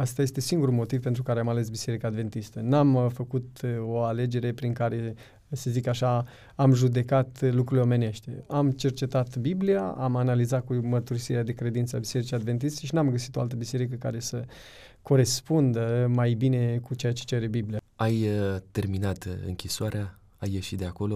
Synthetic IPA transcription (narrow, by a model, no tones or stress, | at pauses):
ast̪ajest̪e̞siŋɡuɾulmo̞t̪ivpent̪ɾukaɾeamale̞sbise̞ɾikaːd̪ve̞nt̪ist̪ənamfəkut̪o̞ale̞d͡ʒe̞ɾe̞pɾiŋkaɾe̞ | se̞zikaʃa | amʒud̪e̞kat̪lukɾuileo̞me̞ne̞ʃt̪ḛamt͡ʃe̞rt͡ʃe̞t̪at̪bibliaamanalizat̪̚kumərt̪uɾisiɾead̪e̞kɾe̞d̪int̪səabise̞ɾit͡ʃiad̪ve̞nt̪̬ist̪eʃ̬inamɡəsit̪o̞a̰lt̪əbise̞ɾik̬əka̰ɾe̞sə | ko̞ɾe̞spund̪əmajbine̞kut͡ʃe̞jat͡ʃet͡ʃe̞ɾe̞biblijaajt̪e̞rminat̪ɨ̰ŋkʲisoaɾea | ajːe̞ʃit̪̚d̪e̞ako̞lo̞